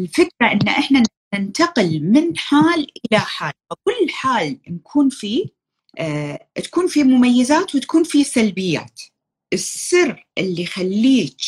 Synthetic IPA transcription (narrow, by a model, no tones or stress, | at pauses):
ɪlfɪkɾaʔɪnːaʔɪħna | nɪnt̪aqɪlmɪnħaːlʔɪlaħaːlfakʊlːħaːlnkʰuːnfi | t̪ḁkuːnfimʊmajːɪzaːt̪wɪt̪ḁkuːnfisalbɪjːa̰ːt̪ | ʔɪsɪrʔɪlːixalːiːt